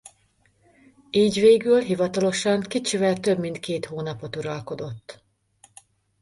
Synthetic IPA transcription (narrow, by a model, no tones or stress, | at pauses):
iːɟveːɡylɦivɒt̪ɒlo̞ʃɒŋkit͡ʃivɛlt̪øbmint̪keːt̪hoːnɒpo̞t̪uɾɒlko̞d̪o̞t̪ː